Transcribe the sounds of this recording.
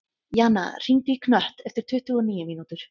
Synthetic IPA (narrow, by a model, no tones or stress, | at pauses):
jaːna̰r̥iŋt̪ɪikʰnœht̪ɛft̪ɪɾ̥t̪ʰʏːht̪uɔniːjɪmiːnut̪ʏɾ̥